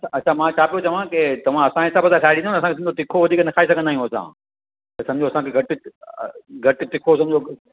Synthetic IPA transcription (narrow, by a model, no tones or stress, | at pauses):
ɐt͡ɕʰamãːt͡ɕʰaːpijot͡ɕɐʋ̤ãket̪ɐʋ̤ãɐsãɪsaːbɐzasʰaːɪɽĩnonɐs̬ãkesm̆d͡ʑot̪ɪkʰoʋɐd̪ʱiːknɐkʰaːis̬ɐɡʱə̃nd̪aːɦijũɐsã̰ː | t̪ɐsɐ̃mɪd͡ʑoɐsãkʰeɡʱɐʈɪ | ɡʱɐʈʈɪkʰos̬ɐ̃mɪd͡ʑo